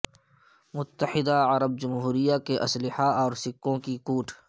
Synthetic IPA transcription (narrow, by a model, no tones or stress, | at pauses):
mʊt̪ːəħɪd̪aɐɾəb̚d͡ʒʊmɦuːɾijakeʔɐslɪhaɔːɾsɪkːõkikuːʈʰ